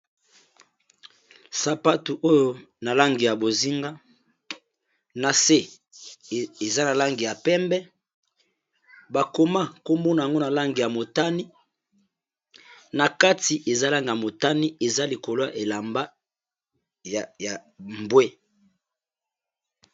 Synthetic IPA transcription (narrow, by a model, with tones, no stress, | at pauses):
sa˨pa˦tu˨ʔo˦jo˦na˨la˦ŋɡi˨ja˨bo˨zi˦ŋɡa˦ | na˨se˦ | e˨za˦na˨la˦ŋɡi˨ja˨pɛ˦mbɛ˦ | ba˨ko˨ma˦ko˦mbo˦na˨ja˨ŋɡo˦na˨la˦ŋɡi˨ja˨mo˨ta˦ni˦ | na˨ka˦ti˨ʔe˨za˦la˦ŋɡi˨ja˨mo˨ta˦ni˦e˨za˦li˨ko˨lo˦ja˨ʔe˨la˨mba˦ | jja˨mbwe˦